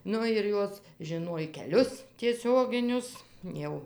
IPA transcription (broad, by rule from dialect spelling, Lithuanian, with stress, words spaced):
ˈnʊ ɪr ˈjoːs ʒʲɪˈnuɔj kʲɛˈlʲʊs tʲiɛˈsʲoːɡʲɪnʲʊs ˈjɛʊ